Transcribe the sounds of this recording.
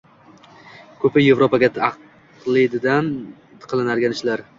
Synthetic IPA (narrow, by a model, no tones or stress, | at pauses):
kʰɵpɪje̞vɾopaɡʲaɑq | lˠɪd̪ɪd̪an | qʰɨlˠɪnaɾɡʲanɪʃlaɾ